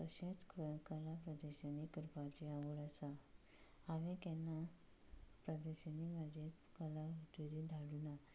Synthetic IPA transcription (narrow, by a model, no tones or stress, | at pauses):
t̪əɕẽt͡skəkəlapɾəd̪eɕanikəɾpat͡ɕeaʋəɭasa | aʋẽkɛ̃nːa | pɾəd̪eɕanimad͡ʑʱe | kəlaʋiʈ̪eɾid̪ʱaɽuna